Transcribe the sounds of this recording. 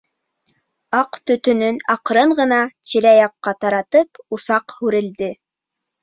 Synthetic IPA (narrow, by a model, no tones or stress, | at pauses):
ɑqt̪ɵ̆t̪ɵ̆nɵnɑqɾɤɴɢɤ̆nɑtilæjɑqːɑt̪ɑɾɑt̪ɤpusɑqhʉɾɘ̆ld̪ɘ